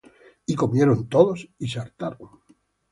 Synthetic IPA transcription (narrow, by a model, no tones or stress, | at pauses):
iko̞mjeɾont̪oðosis̬aɾt̪aɾoŋ